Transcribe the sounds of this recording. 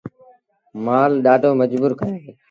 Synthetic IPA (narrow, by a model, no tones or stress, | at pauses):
maːlɗaːɖoːməd͡ʒbuːɾkəɾeː